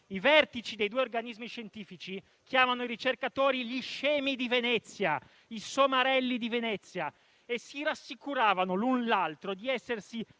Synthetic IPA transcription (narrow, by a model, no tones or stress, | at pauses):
ivɛrt̪it͡ʃid̪ejd̪ueorɡanizmiʃent̪iːfit͡ʃi | k̟ʰjaːmanoiɾit͡ʃerkat̪oːɾiliʃɛːmid̪ivenɛt̪sːja | isomaɾɛlːid̪ivenɛt̪sːja | esːiɾasːikuɾaːvanolunlalt̪ɾod̪iɛsːersi